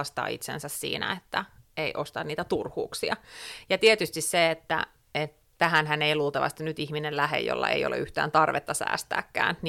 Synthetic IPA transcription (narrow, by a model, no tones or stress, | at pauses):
ɑst̪ɑ̰ːḭt̪sḛnsæssḭːnæ̰et̪ːæeiʔost̪ɑnniːt̪æt̪urhuːksiɑjɑt̪iet̪yst̪isseet̪ːæ̰ | et̪ | tæhænɦæneiluːlt̪ɑʋɑ̰st̪inyt̪ihminellæhḛjo̰lːɑ̰ḛijo̰lḛyht̪æːnt̪ɑrʋet̪ːɑsæ̰ːst̪æ̰ːkːæ̰ːnn